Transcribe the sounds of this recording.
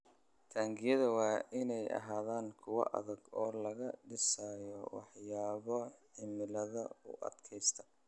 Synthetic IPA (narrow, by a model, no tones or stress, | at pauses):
t̪ʰaːŋɡɪjɐðɐwɑːʔɪnɛjɐ̰ɦaːðaːŋkʰʊwɐ̰ʔɐ̰ðɐɡɔːlɐɣɐɖɪsaːjɔwɑħjaːβɔħɪmɪlɐðɐʊ̰ʔɐ̰d̪kʰɛjst̪ʰɐ̥